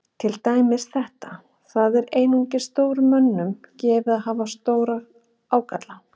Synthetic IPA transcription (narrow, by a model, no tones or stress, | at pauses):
t̪ʰɪlt̪aːjmɪsθɛht̪a | θaðɛɾeːjnuɲcɪ̥st̪oːwɾʏmːœnːʏmcɛːvɪðaðhɦaːvast̪oːwɾaɣ | aːwkat̪la